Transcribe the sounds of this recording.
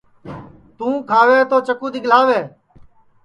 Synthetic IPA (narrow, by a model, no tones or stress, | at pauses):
t̪ũːkʰaːʋeːt̪oːt͡ʃəkuːd̪iːɠəlaːʋeː